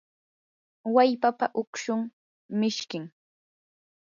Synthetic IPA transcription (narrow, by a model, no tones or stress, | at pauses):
wajpapaʔʊkʃʊŋ | mɪʃkɪŋ